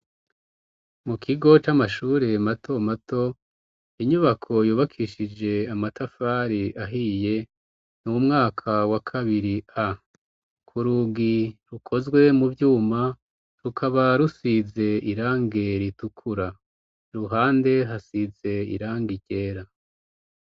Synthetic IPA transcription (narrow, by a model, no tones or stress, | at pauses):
mukʰiɡo̞t͡ʃamaʃuːɾe̞matʰo̞matʰo̞ | iɲuβakʰo̞juːβakʰiʃid͡ʒe̞amatafaɾiaɦije̞ | numŋaːkʰawakʰaβiɾia | kʰuɾuɡiɾukʰo̞zɡwe̞muvjuːma | ɾukʰaβaɾusize̞iɾaːŋɡe̞ɾitukʰuɾa | ɾuɦaːnde̞ɦasize̞ḭɾaːŋɡiɟe̞ːɾa